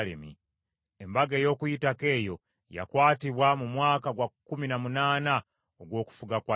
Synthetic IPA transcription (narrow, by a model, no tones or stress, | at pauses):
lḛmḭ | embaɡeːjo̞ːkujitake̞ːjo̞ | ja̰kwaːtiβwamumwaːkaɡwakuminamunaːna | oɡwo̞ːku̥fuɡakwa